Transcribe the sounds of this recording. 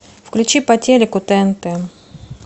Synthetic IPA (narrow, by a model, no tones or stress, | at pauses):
fklʲʉt͡ɕipɐtʲelʲɪkʊt̪ɛnt̪ɛ